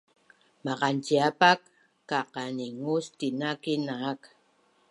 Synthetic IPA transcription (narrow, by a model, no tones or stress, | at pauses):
mɑʁant͡ʃiapakː | aqɑniŋust̪inakinaːk